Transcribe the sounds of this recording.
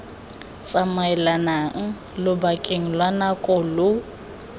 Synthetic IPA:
t͡sʼamaɛlanaŋ̩ | lʊbakʼeŋ̩lwanakʼɔlʊ

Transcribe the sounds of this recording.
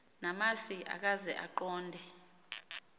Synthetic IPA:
namasiʔa̰k̬azɛʔa̰ǃɔːndʱɛ

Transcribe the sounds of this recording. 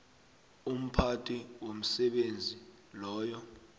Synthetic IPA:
um̩pʰatʰʼiwom̩sɛɓend͡zʱi | lɔːjɔ

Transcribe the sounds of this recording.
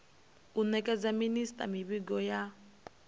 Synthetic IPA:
unɛkʼɛd͡zaministʼa̰miβiɡɔja

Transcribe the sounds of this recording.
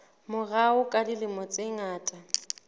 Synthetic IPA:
mʊɣaʊkʼalɪlɪmɔt͡sʼɪŋaːtʼa

